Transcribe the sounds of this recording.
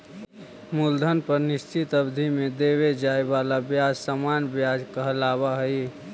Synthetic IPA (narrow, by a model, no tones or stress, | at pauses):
muld̪ʱənpəɾnɪst͡ʃit̪əbd̪ʱimed̪ewed͡ʒaːebalabjad͡ʒsamanbjad͡ʒkaɦəlaβaɦəi